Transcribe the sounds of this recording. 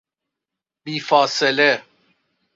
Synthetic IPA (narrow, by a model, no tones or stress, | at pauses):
biːfɑːsele